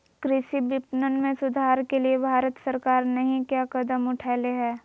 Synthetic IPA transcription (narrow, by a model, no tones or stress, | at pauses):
kɾɪʃibɪpnənmẽsʊd̪ʱaːɾkeliebʱaːɾət̪səɾkaːɾnɐɦĩkjaːkɐd̪əmʊʈʰaːleɦɛː